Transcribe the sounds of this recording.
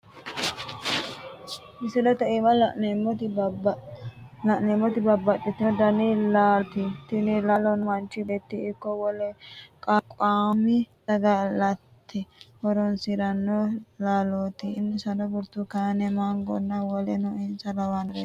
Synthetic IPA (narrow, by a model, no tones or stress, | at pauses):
mɪsɪd̪ɐt̪ɐʔɪmɐlɐʔnemɔt̪ | lɐʔneːmːɔt̪ɪbɐbːɐtːɪt̪ːɔd̪ɐnilaːt̪ɪt̪ɪnɪlaːlɔnmɐnt͡ʃːɪd̪ɛt̪ːiɪkːɔwɔlɛkʼakʼaːmɪd̪ɐɡɐlɐt̪ʰːɪhɔɾɔnsɪɾɐnːɔlaːloːt̪ɪːnːɛsɐnɔbʊɾt̪ːukaːnɛmaŋɡɔ̰nːɐwɔlɛnɔɪnsɐlɐwanɾe